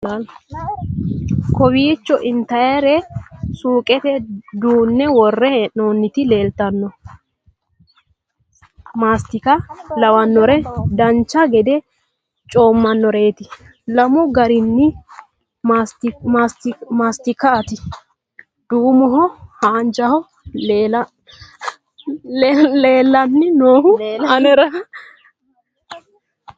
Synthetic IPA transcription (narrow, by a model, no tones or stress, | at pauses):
kɔwiːt͡ʃːɔʔɪnt̪ɐjaɾɛsuːkʼɛt̪ɛd̪uːnːɛwɔrːɛhɛʔnoːnːɪt̪ɪle̞ːlt̪ɐnːɔ | maːst̪ɪkɐlɐwɐnːɔɾɛd̪ɐnt͡ʃːɐɡɛd̪ɛ | t͡ʃʼo̞ːmːɐnːɔɾeːt̪ɪ | lɐmɔɡɐɾɪnːɪ | st̪ːst̪maːst̪ɪkːɐːt̪ɪ | d̪̥uːmɔɦɔhaːnd͡ʒɐhɔ | lː | leːlːɐnːɪnoːhʊɐnɛɾɐ